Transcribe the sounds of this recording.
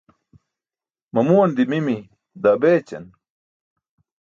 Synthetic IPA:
mɐmuwɐnd̪imimi | d̪abeːt͡ɕɐ̰n

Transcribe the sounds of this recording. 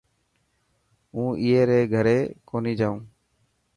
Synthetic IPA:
ũːʔijeɾɛɡʱəɾɛkonid͡ʒaw̃

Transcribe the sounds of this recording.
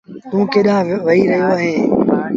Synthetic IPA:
t̪ũːkeːɗãːʋɐɦiːɾɐɦijoaːɦẽː

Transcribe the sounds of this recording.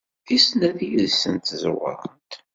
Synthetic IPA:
isnæðijiðsənt̪zwə̰ɾˤənt̪

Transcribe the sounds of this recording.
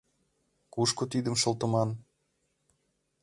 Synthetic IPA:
kuʃkŏt̪id̪ə̆mʃɤ̆lˠt̪ɤ̆mɑn

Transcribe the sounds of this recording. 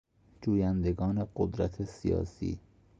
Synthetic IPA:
d͡ʒuːjænd̪eɡɒːne̞ɢod̪ɾæt̪ʰesḭjɒ̰ːsḭː

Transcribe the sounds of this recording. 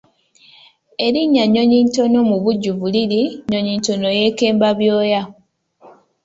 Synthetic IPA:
e̞ɾiɲːaɲo̞ɲiːnto̞no̞muβuɟːuvuliɾiɲoɲiːnto̞no̞je̞ke̞ːmbaβjo̞ːja

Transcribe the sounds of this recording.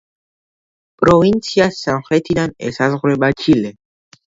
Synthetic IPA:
pʼɾɔvint̪sʰiasanχɾɛt̪ʰid̪anɛ̰sazʁɾɛbat͡ʃʰilɛ

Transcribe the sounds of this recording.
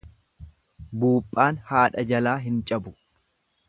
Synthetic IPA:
buːpʼːaːnhaːᶑɐd͡ʒɐlaːɦɪnt͡ʃʼɐbʊ

